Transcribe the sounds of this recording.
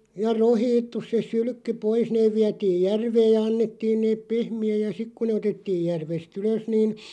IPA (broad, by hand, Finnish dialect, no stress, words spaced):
jɑ rohiːtːus se syly̆kːy pois neːʋ̆ ʋiætiːj̆ jærʋeːj̆ jɑ ɑnːetːiːn neːp pehmiæj jɑ sik ku ne otetːiːj jærʋest yløs niːn